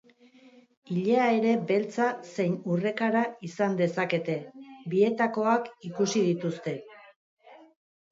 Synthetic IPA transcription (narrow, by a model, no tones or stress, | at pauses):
iʎeae̞ɾe̞be̞lt͡sase̞jnure̞kaɾaisand̪e̞sake̞t̪e̞bie̞t̪ako̞akikusið̞it̪ust̪e̞